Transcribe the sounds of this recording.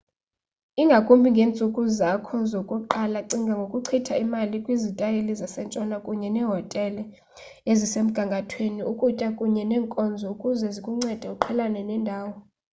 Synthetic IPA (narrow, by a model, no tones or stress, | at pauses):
iŋɡʱakʼumbʱiŋɡʱeːnt͡sʼukʼuzakʰɔzokʼuǃalaǀiŋɡʱaŋɡʱokʼuǀʰitʰaimalikʼwizitʼajelizasɛnt͡ʃʼɔnakʼuɲɛnɛːɦɔtʼɛlɛ | ezisem̩ɡ̥ʱaŋkʼatʰweniukʼutʼakʼuɲɛnɛːŋkʼɔnd͡zʱɔukʼuzɛzikʼuŋ͡ǀɛd̥ʱɛuǃʰɛlanɛnɛːndʱaːwɔ